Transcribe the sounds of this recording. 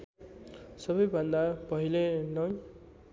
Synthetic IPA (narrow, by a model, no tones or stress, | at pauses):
sʌbʌjbʱʌnd̪apʌɦilenʌj